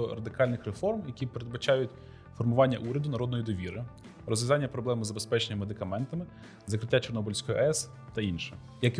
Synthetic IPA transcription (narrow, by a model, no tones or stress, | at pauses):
ɔrɐd̪ɪkɑlʲnɪxrefɔrmjɐkʲipeɾed̪̚bɐt͡ʃɑjʊtʲ | fɔrmʊʋɑnʲːɐ̰ʔuɾʲɐd̪ʊnɐɾɔd̪nɔjid̪ɔʋʲiɾɪ | rɔzʋʲɐzɑnʲːɐpɾɔblˠɛmzɐbespɛt͡ʃenʲːɐmmed̪ɪkɐmɛnt̪ɐmɪ | zɐkɾɪtʲːat͡ʃɔrnɔbɔlʲsʲkɔjiʔɛs | t̪ɐinʃɛ | jɐk